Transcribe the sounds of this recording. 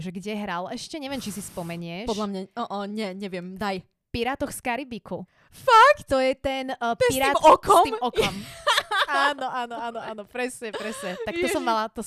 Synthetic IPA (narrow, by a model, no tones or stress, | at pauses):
ʒɛɡɟɛɦɾalɛʃcɛɲɛʋɪɛmt͡ʃisispɔmɛɲɪɛʃpɔdd̪lamɲaɔʔɔɲɛɲɛʋɪɛmd̪aj | piɾaːt̪ɔxskaɾibiku | fakt̪ɔjɛt̪ɛnpiɾaːtmɔkɔiːmɔkɔm | anɔʔaːnɔaːnɔaːnɔpɾɛsɲɛpɾɛsɲɛt̪akt̪ɔsɔmːalat̪ɔ